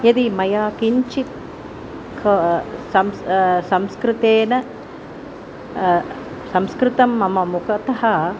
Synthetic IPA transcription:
jɐd̪imɐjaːkiɲt͡ʃi | kʰsɐmssɐmskɾɪt̪eːnɐ | sɐmskɾɪt̪ɐmːɐmɐmukʰɐt̪ɐɦɐ

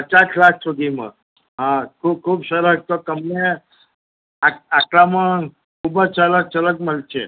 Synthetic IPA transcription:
pət͡ʃaslak̚ʰsoɡimə̰ | ɦãkʰuːb̚kʰuːbsəɾək̚t̪okəmne | aaklamə | kʰuːbət͡ʃələk̚t͡ʃələkməlt͡ʃʰe

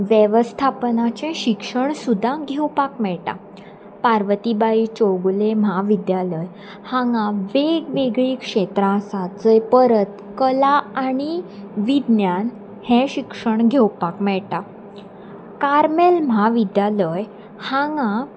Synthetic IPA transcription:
ʋjeʋəst̪ʰapənat͡ɕɛ̃ɕikʂəɳsud̪ʱːãɡʱewpakmɛɭʈa̰ | paɾʋət̪ibait͡ɕoɡlem̤aʋid̪jaləj | hãŋɡãʋeɡʋeɡɭiːkʂet̪ɾãsad͡zəjpəɾət̪ | kəlaaɽ̃iʋid̪njan | hɛ̃ɕikʂəɳɡʱewpakmɛɭʈa | kaɾmelm̤aʋid̪jaləj | haŋɡã

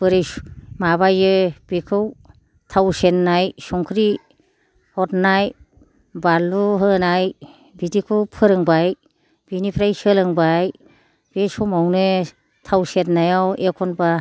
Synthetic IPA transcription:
b̥ɯɾɯjmaβajɯb̥ikʰɯw | tʰawsenːajsɔŋkʰɾi | hɔtnaj | baluɦɯnaj | bidikʰɔpʰɯɾɯŋbaj | b̥inipʰɾajsɯlɯŋbaj | b̥esɔmawnɯ | tʰawsetnajawekʰɔnba

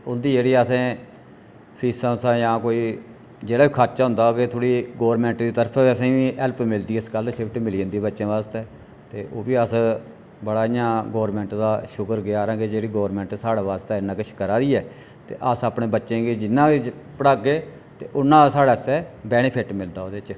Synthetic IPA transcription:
ʊnd̪iːd͡ʒeːɽiːəsẽː | pʰiːsãːsãːjãːkoːiː | d͡ʒeːɽaːiːkʰət͡ʃaːɦʊ̃nd̪aːket̪ʰoːɽiːɡoːɾmɛ̃ːɳʈd̪iːt̪əɾpʰːiəsẽːʋĩːʔɛlpmɪld̪iːɪskəlʃɪpʰʈmɪliːənd̪iːbətːʃẽːʋaːst̪ɛː | t̪eːʔoːʋiːəs | bəɽaːɪjãːɡoːɾmɛ̃ːɳʈd̪aːʃʊkəɾɡɪaːɾãːɡed͡ʒeːɽiːɡoːɾmɛ̃ːɳʈsaːɽaːʋaːst̪eːɪnːãːkɪt͡ʃʰkəɾaːd̪iːɛː | t̪ḛːʔəsapɳeːbətːʃẽːɡed͡ʒɪnːãːkɪt͡ʃpəɽaːɡeː | t̪eːʔʊnːãːsaːɽaːsɛːbɛːnepʰɪʈmɪld̪aːoːd̪et͡ʃ

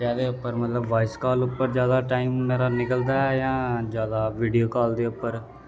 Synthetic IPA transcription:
aːd̪eːʊpːəɾmət̪ləbʋaːɪskaːlʊpːəɾd͡ʒjaːd̪aːʈaːiːmːeːɾaːnɪkəld̪aːɛjãːd͡ʒjaːd̪aːʋiːɖijoːkaːld̪eːʊpːəɾ

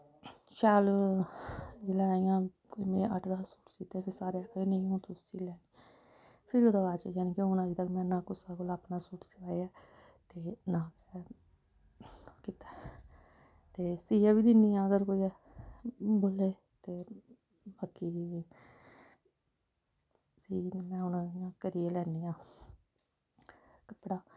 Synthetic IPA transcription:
ʃaːl | d͡ʒɪlaːijãː | koiːmẽːʔəʈʰd̪aːsuːʈsit̪eːpʰɪɾsaːɾeːəkinẽõːt̪ʊsiːlɛːniː | pʰɪɾoːd̪aʋaːt͡ʃejaːniːkeʊnaːiːt̪əkmɛ̃ːnãːkʊsaːkolaːpnaːsuːʈsɪʋaːeaː | t̪eːnãːkɛ | kit̪ḁː | t̪eːsiːaːʋiːd̪ɪniːãːəɡəɾkoːiːɛ | boːleː | t̪eː | baːkiː | siːmɛ̃ːʊnaãːkəɾiːeːlɛːniːãː | kəpɽaː

